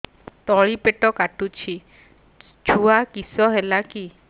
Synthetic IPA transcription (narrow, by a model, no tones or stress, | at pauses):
t̪ɔɭipeʈɔkaʈut͡ʃʰi | t͡ʃʰuakisɔɦelaki